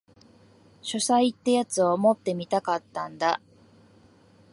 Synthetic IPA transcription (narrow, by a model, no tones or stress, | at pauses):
ɕosait̪ːajat͡sɨomo̞t̪ːe̞mʲit̪akat̪ːãnd̪a